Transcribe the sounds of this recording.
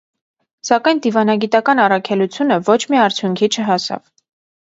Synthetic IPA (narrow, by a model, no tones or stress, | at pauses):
sɑkɑjnd̪ivɑnɑɡit̪ɑkɑnɑrɑkʰɛlut͡sʰjunəvɔt͡ʃʰmiɑɾt͡sʰjuŋkʰit͡ʃʰəɦɑsɑ̰v